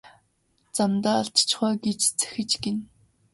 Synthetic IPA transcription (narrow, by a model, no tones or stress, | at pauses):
t͡samt̪aːɮt̪t͡ɕχɔːɡet͡ɕt͡sæ̥xɘ̆t͡ɕɡen